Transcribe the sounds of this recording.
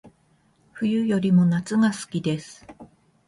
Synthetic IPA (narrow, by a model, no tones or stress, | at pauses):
ɸɯ̟jɯ̟jo̞ɾʲimo̞nat͡sɨɡasɨ̥kʲid̪e̞sɨ̥